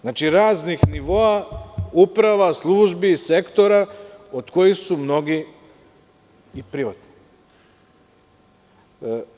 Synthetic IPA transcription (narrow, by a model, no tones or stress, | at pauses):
znaːt͡ʃiɾaːznixniʋo̞aupɾaʋaslˠuːʒbise̞kt̪o̞ɾaod̪̥ko̞jixsumno̞ɡi | pɾiʋat̪ni̥